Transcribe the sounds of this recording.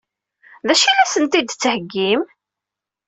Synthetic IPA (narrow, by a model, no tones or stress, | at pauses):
ðæʃinæsənt̪id̪t͡sːəhəɡːim